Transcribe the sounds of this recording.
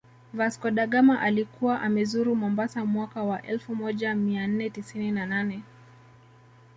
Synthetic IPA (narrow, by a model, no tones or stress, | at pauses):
vaskɔɗaɠamaʔalikuwaʔamɛzuɾumɔmbasamwakawaʔɛlfumɔʄamian̩nɛtisininananɛ